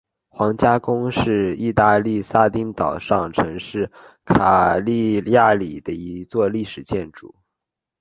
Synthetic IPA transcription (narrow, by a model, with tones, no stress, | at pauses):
xwɑ˧˥ŋt͡ɕja˥kʊ˥ŋʂɻ̩˥˧i˥˧t̪a˥˧li˥˩sa˥t̪i˥ŋt̪ɑ˨˩ʊʂɑ˥˩ŋʈ͡ʂʰɤ˧˥ŋʂɻ̩˥˩ | kʰa˨˩li˥˧ja˥˩li˨˩d̪ə˦i˧˥t͡swɔ˥˧li˥˩ʂɻ̩˨˩t͡ɕjɛ˥˩nʈ͡ʂṵ˨˩˦